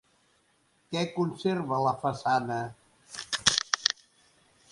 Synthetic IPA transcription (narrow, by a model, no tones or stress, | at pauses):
kɛkunserβələfəsanə